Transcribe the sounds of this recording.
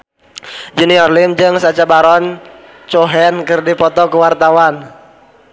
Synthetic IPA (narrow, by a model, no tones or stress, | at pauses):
d͡ʒəniɔrlimd͡ʒɨŋsat͡ʃabaɾɔn | t͡ʃɔɦɛnkɨrdipɔt̪ɔkuwart̪awan